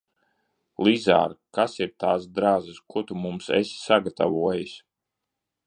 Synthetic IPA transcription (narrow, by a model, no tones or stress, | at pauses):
lˠiza̰ːɾkasiɾt̪aːsd̪ɾaːzɨskuɔt̪umumsḛsi̥saɡat̪a̰vuɔjisʲ